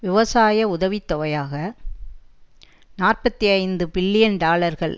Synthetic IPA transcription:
ʋɪʋɐsaːjɐʊðɐʋit̪ːɔʋɐjaːɣɐ | naːrpɐt̪ːiɐɪnd̪ɯpɪɭːɪjɐnɖaːɭɐɾɣɐɭ

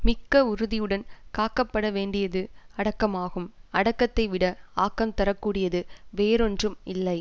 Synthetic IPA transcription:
mɪkːɐʊɾɯðɪjɯɽɐnkaːkːɐpːɐɽɐʋeːɳɖɪjɐðɯɐɽɐkːɐmaːɣɯmɐɽɐkːɐt̪ːɐɪʋɪɽɐaːkːɐmt̪ɐɾɐkːuːɽɪjɐðɯʋeːɾɔndrɯmɪlːɐɪ

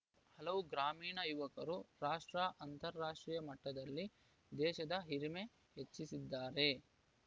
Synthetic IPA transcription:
hɐlɐʋuɡɾaːmiːɳɐjuʋɐkɐɾuɾaːʂʈɾaːʔɐnt̪ɐɾːaːʂʈɾiːjɐmɐʈːɐd̪ɐlːi | d̪ɛːʃɐd̪ɐɦiɾme | ɦet͡ʃːisid̪ːaːɾe̞

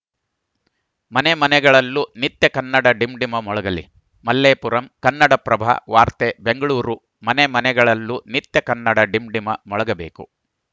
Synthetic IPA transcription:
mɐnemɐnɛɡɐɭɐlːunit̪jɐkɐnːɐɽɐɖimɖimɐmɔɭɐɡɐlḭ | mɐlːeːpuɾɐmkɐnːɐɽɐpɾɐbʱa̰ʋaːɾt̪ebeŋɡɐɭuːɾu | mɐnemɐnɛɡɐɭɐlːunit̪jɐkɐnːɐɽɐɖimɖimɐmɔɭɐɡɐbe̞ːkṵ

